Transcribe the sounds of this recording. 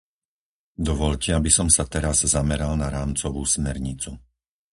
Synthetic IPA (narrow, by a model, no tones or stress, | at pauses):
d̪ɔʋɔʎcɛabisɔmsat̪ɛɾazzamɛɾalnaɾaːmt͡sɔʋuːsmɛɾɲit͡su